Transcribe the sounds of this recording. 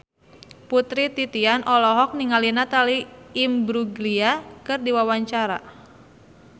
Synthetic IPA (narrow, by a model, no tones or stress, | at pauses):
put̪ɾit̪it̪ianʔɔlɔɦɔk̚niŋalinat̪aliːmbɾuɡliakɨrdiwawaɲt͡ʃaɾa̰